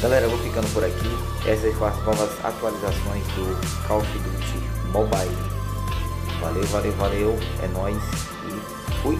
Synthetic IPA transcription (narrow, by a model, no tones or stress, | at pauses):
ɡalɛɾɐvowfikɐ̃nd̪ʊpʊɾaki | ɛsɐsfɐ̃w̃ɐznɔvɐza̰t̪ualizasõj̃zd̪ʊkʰawfid̪ɾut͡ʃɪmɔbajl | va̰lewvalewvalewɛ̰nɔ̃js | ɪ | fuj